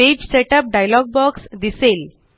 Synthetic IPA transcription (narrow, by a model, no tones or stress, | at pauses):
ed͡ʑseʈəp̚ɖajlɔɡ̚bɔksd̪isel